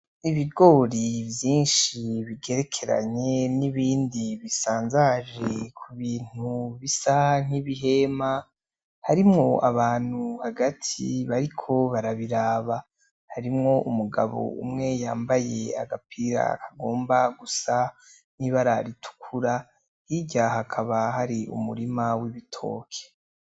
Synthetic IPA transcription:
iβiɡo̞ːɾivjiːnʃiβiɡe̞ɾe̞kʰe̞ɾa̰ɲe̞niβiːndiβisaːnzaʒe̞kʰuβiːn̥huβisaŋ̥iβiɦe̞ma | haɾimŋo̞aβaːn̥uhaɡatʰiβaɾikʰo̞βaɾaβiɾaːβa | haɾimŋo̞ʔumuɡa̰βo̞̰ṵmŋe̞jaːmbaje̞a̰ɡapʰiɾa̰kʰaɡo̞ːmbaɡusa | niβaɾaɾitʰu̥kʰuɾa | hiɟaɦakʰaβaɦaɾiṵmṵɾimawiβitʰo̞̰ːkʰe̥

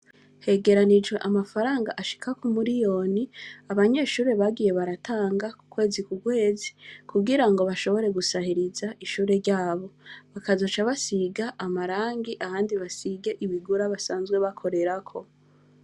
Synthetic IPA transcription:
he̞ɡe̞ɾanid͡ʒɡwe̞ʔamafaɾaːŋɡaʔaʃi̥kakomuɾijo̞niaβaɲe̞ːʃuːɾe̞βaɡije̞βaɾataːŋɡaku̥kwe̞ːzikuɡwe̞ːzi̥kʰuɡiɾaŋɡo̞βaʃo̞βo̞ɾe̞ɡusahiɾizaʔiʃuːɾe̞ɾɟaːβo̞βakazo̞t͡ʃaβasiɡaʔːmaɾaːŋɡiʔahaːndiβasiɡe̞ʔiβiɡuɾaβasaːnzɡwe̞βakʰo̞ɾe̞ɾakʰo̞

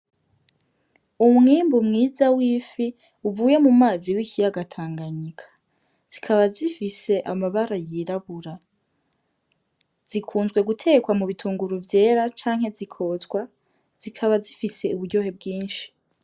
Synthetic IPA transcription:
umŋiːmbumŋiːzawiːfi | uvuːje̞mumaːziwicijaɡatʰaːŋɡaɲikʰḁ | z̥ikʰaβazifise̞ʔa̰maβaɾajiɾaβuɾa | z̥ikʰuːnzɡwe̞ɡutʰe̞ːkwamuβitʰuːŋɡuɾuvje̞ːɾat͡ʃaːŋhe̞zikʰo̞zɡwa | z̥ikʰaβazifise̞uβuɾɟo̞ːhe̞b̚ɡiːnʃi̥

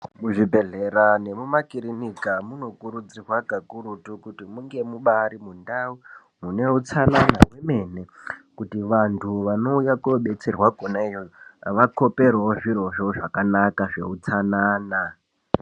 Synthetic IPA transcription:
muʐibʱe̞ɮeɾane̞mumakiɾinikamuno̞kuɾud͡zirwakakuɾutukutimuŋɡe̞muɓaɾimundau | mune̞ut͡sananamweme̞nekutiʋantʰuʋano̞ujakɓe̞t͡serwaɡʱonaijojoʋako̞pe̞rewoʐiro̞ʐo̞ʐakanakaʐe̞̰ut͡sanaːna

